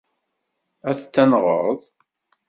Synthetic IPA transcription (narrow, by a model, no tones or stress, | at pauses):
æθt͡sːænʁəɾðˤ